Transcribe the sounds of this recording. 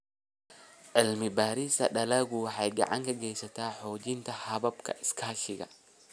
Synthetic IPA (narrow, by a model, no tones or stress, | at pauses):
ʕɪlmɪbaːɾɪsɐɗɐlɐɡʊwħajɡɐ̰ʕa̰ŋkɐɡejsɐt̪aːħoːd͡ʒɪnt̪ɐhɐbɐbkʰɐ̰ʔɪskʰɐɐʃɪɡɐ̰